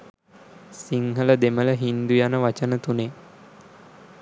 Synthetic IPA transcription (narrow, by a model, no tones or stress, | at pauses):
siŋɦələd̪emələɦind̪ujanəʋat͡ʃənət̪une